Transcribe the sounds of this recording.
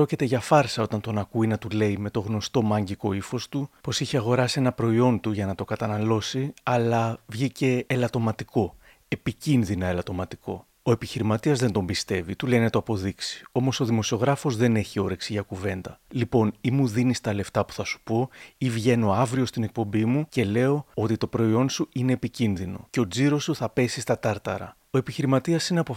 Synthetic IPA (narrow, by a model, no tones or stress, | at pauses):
o̞cit̪e̞ʝɐfɐɾsɐo̞t̪ɐnt̪o̞nɐkuinɐt̪ule̞ime̞t̪o̞ɣno̞st̪o̞mɐɲɟiko̞ifo̞st̪upo̞siçeɐɣo̞ɾɐsie̞nɐpɾo̞io̞nt̪uʝɐnɐt̪o̞kɐt̪ɐnɐlo̞siɐlɐvʝice̞ːlɐt̪o̞mɐt̪iko̞ | e̞picinðinɐe̞lɐt̪o̞mɐt̪i̥ko̞ | oe̞piçiɾimɐt̪iɐzðe̞nd̪o̞mbist̪e̞vit̪ule̞jnet̪oɐpo̞ðiksi̥o̞mo̞so̞ðimo̞sio̞ɣɾɐfo̞zðe̞ne̞çio̞ɾe̞ksiʝɐkuve̞nd̪ɐlipo̞nimuðinist̪ɐle̞ft̪ɐpu̥θɐsu̥po̞ivʝe̞no̞ɐvɾio̞st̪inek̚po̞mbimuce̞le̞o̞o̞t̪it̪o̞pɾo̞io̞nsuine̞ːpicinðino̞̰ce̞o̞d͡ziɾo̞suθɐpe̞sist̪ɐt̪ɐɾt̪ɐɾɐ̰ | oe̞piçiɾimɐt̪iɐsineɐpo